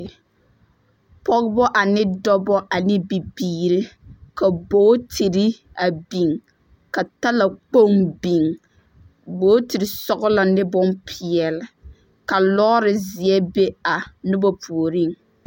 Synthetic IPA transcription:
pɔ˦kbɔ˦ʔa˨nɪ˦dɔ˦bɔ˦ʔa˨nɪ˦bi˨biː˨ɾɪ˦ka˨boː˦tʰi˨ɾɪ˦ | a˨bi˨ŋ | ka˨ta˦la˨k͡po˦˨ŋbi˨ŋ | boː˦tɪ˨ɾɪ˨sɔ˦ɣʊ˦la˨nɪ˦bʊ˦npʰɪ˨ɛ˨lɪ˨ | ka˨lɔ˦ɾɪ˨zɪ˨ɛ˦be˦a˨nʊ˦bɔ˦pʰu˨o˨ɾi˦˨ŋ

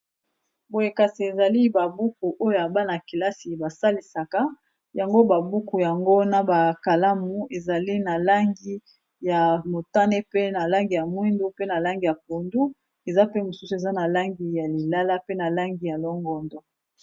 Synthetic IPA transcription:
bo˨je˨ka˨si˨e˨za˨li˦ba˨bu˦ku˨ʔo˦jo˦ja˨ba˦na˨ki˨la˦si˨ba˨sa˦li˨sa˨ka˦ | ja˨ŋɡo˦ba˨bu˦ku˨ja˨ŋɡo˦na˨ba˨ka˨la˦mu˨e˨za˨li˦na˨la˦ŋɡi˦ | ja˨mo˨ta˦ne˦pe˦na˨la˦ŋɡi˨ja˨mwi˦ndu˦pe˦na˨la˦ŋɡi˨ja˨p̚o˨ndu˦ | e˨za˦pe˦mo˨su˦su˨e˨za˦na˨la˦ŋɡi˨ja˨li˨la˦la˦pe˦na˨la˦ŋɡi˨ja˨lɔ˦ŋɡɔ˨ndɔ˨

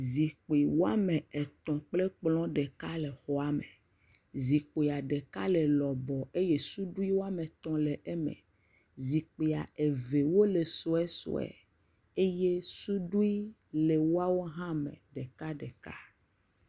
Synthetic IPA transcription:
zi˨k͡pi˨wo˦a˦mẽ˨e˨t̪ɔ̃˨k͡ple˦k͡plɔ̃˦ɖe˨ka˦le˨xɔ˦a˦mḛ˨ | zi˨k͡po˨ja˨ɖe˨ka˦le˨lɔ˨bɔ˨e˦je˦su˦ɖu˦i˦wo˦a˦me˨t̪ɔ̃˦le˨ʔe˦mɛ̰̃˨ | zi˨k͡pi˨a˨e˨ve˨wo˦le˨so˦ɛ˦so̰˨ɛ̰˨ | e˦je˦su˦ɖu˦i˦ | le˨wo˦a˦wo˦ɦã˦mɛ̰̃˨ɖe˨ka˦ɖɛ˨ka˦

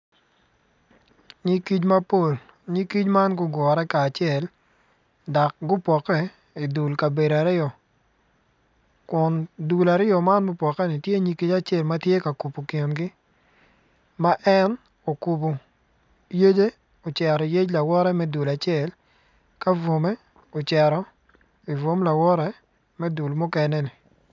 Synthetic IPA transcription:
ɲi˦ki˦t͡ʃma˦po˦˨l | ɲi˦ki˦t͡ʃma˦nɡʊ˦ɡwɔ˨ɾɛ˦kaː˨t͡ʃɪɛ˨l | dɔ˨k̚ɡʊ˦pwɔ˨kɛ˦ | i˨du˨lka˨be˨ɾa˨ɾɪ˦ɔ˨ | kʊ˨ndu˨la˨ɾɪ˦ɔ˨ma˦nmʊ˦pwɔ˨kɛ˦nɪ˨tje˦ɲi˦ki˦d͡ʒa˦t͡ʃɛ˦˨lma˦tje˦ka˨ku˨po˨ke˨nɡɪ˦ | ma˦ʔɛ˦n | o˨ku˨pu˨ | je˦d͡ʒe˦ | o˨t͡ʃɛ˨ɾɔ˨i˨je˦d͡ʒla˨wɔ˦ɾɛ˦mɛ˦du˨la˨t͡ʃɪɛ˦˨l | ka˦vo˨mɛ˦ | o˨t͡ʃɛ˨ɾɔ˦ | i˨vo˦mla˨wɔ˦ɾɛ˦ | mɛ˦du˨lmʊ˦kɛ˦nɛ˦nɪ˨

